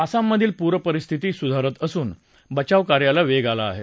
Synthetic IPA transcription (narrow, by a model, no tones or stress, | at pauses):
əsamːəd̪ʱiːlpuɾʋəpəɾist̪ʰit̪iːsud̪ʱaɾət̪əsuːn | bət͡ɕaʋkaɾjalaʋeɡala̰ːɦḛ